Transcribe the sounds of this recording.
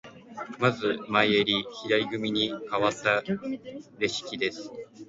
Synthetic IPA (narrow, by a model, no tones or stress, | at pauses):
mazɨmaieɾʲiçiɾaiɡɯ̟mʲiɲ̟ikaβat̪ːa | ɾe̞ɕi̥kʲid̪e̞sɨ̥